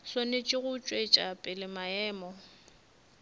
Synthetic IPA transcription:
sonɪt͡ʃʼɪɣʊt͡ʃʼwet͡ʃʼapʼɪlɪmaɛːmɔ

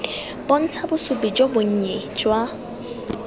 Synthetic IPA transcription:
bon̩t͡sʰabʊsʊpid͡ʒʼobʊɲ̩ɲɛd͡ʒʼwa

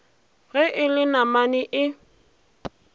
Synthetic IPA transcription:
ɣɛʔɪlɪnamanɪʔɪ

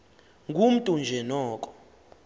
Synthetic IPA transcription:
ŋɡʱum̩tʼund͡ʒʱɛnɔːkʼɔ̥

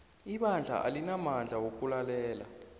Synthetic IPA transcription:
iɓand͡ɮʱa̰ʔa̰linamand͡ɮʱawok̬ʼulalɛːla

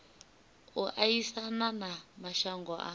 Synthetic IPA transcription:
uʔajisananamaʃaŋɡɔʔa̰

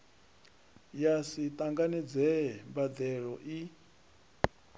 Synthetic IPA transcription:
jasit̪ʼaŋɡanid͡zɛmbad̪ɛɺɔʔi

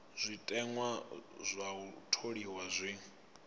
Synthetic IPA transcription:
zʷitʼɛŋwazʷautʰoɺiwazʷi

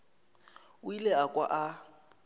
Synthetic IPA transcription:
ʊilɛakʼwa̰ʔa

